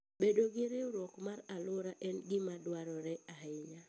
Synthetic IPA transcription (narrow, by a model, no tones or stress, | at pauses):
bedoɡɪɾeɾwɔkmaɾalʊɾaʔɛnɡɪmadwaɾɔɾɛaɦɪɲa